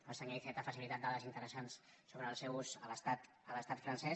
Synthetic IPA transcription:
pəsəɲajfɛt̪əfəsilit̪at̪̚d̪aðəzint̪əɾəsans | soβɾəːlˠsɛwusəβəst̪at̪ | əβəst̪at̪fɾənsɛ

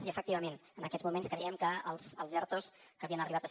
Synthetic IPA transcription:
ziəfək̚t̪iβəmenənəkɛzmumenskɾəiəmkəəlˠsəlˠzɛrt̪oskəβiənəriβat̪əs

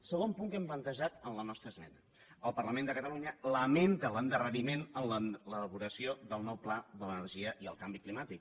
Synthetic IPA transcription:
səɣ̞ompuŋkɛmplənt̪əʒat̪ənlənɔst̪ɾəzmɛnə | əlˠpərləmẽnd̪əkət̪əluɲələment̪ələnd̪ərəɾimenənlələləβuɾəsioðəlˠnɔwplaðələnərʒiəʔiə̰lˠkambiklimat̪ik̚

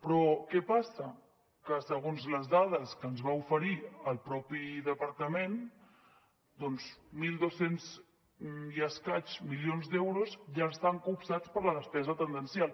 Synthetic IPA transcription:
pɾɔkɛpasə | kəsəɣonzləzðað̞əskənzβaufəɾiəlˠpɾɔpiðəpəɾt̪əmen | d̪ɔnzmilˠd̪osenz | jəskat͡ʃmilionzd̪ɛwɾuzʒaəst̪aŋkupsat͡spəɾləðəspɛzət̪ənd̪ənsjalˠ

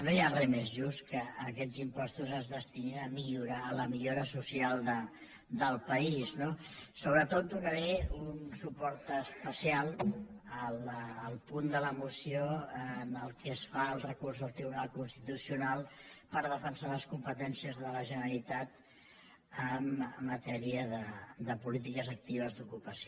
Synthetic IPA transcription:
nojarɛmezʒust̪kəːkɛzimpɔst̪uzəzðəst̪ininəmiʎuɾaləmiʎoɾəsusialˠd̪ə | d̪əlˠpəisnosoβɾət̪ot̪̚d̪unəɾɛunsupɔɾt̪əspəsialˠəlːlˠpund̪ələmusioənəlˠkɛsfaəlˠrəkurzðəlˠt̪ɾiβunalˠkunst̪it̪usiunalˠpəɾð̞əfənsaləskumpət̪ɛnsiəzðələʒənəlit̪at̪ | əməːət̪ɛɾiəðəd̪əpulit̪ikəzək̚t̪iβ̞əzd̪ukupəsio

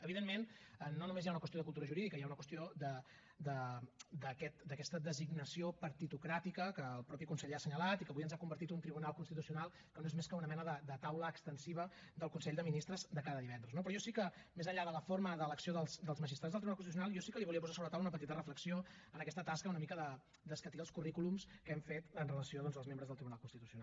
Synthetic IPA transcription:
əβiðemmenənːonumezjaunəkwəst̪ioðəkulˠt̪uɾəʒuɾiðikəjaunəkwəst̪iod̪ə | d̪əd̪əkɛt̪d̪əkɛst̪əd̪əziɡnəsiopəɾt̪it̪ukɾat̪ikəkəːlˠpɾɔpikunsɛʎasəɲəlat̪ikəβujənzakumbəɾt̪it̪unt̪ɾiβunalˠkunst̪it̪usiunalˠ | kənoezmeskəunəmɛnəðəd̪ət̪awləːkst̪ənsiβ̞ə | d̪əlˠkunsɛʎʲd̪əminist̪ɾəzd̪əkaðəðiβɛnd̪ɾəznop̬ɾɔjɔsikə | mezəʎːaðələforməðələksioðəlˠsd̪əlˠzməʒist̪ɾazðəlt̪ɾiunalkus̬tius̬unalˠjɔsikəliβuliəp̬uzasoβɾət̪awunəpət̪it̪ərəfləksio | ənəkɛst̪ət̪askəunəmikəðə | d̪əskət̪iəlˠskurikulumskəɛmfet̪ənrələsioðɔnzəlˠzmẽmbɾəzðəlˠt̪ɾiβunalˠkunst̪it̪u̥siuna

